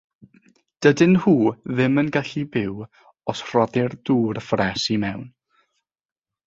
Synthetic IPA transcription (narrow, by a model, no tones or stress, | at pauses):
d̥ədɪnhuːðɪmənɡaɬibɪw | ɔsr̥ɔdɪrduːrfrɛsimɛwn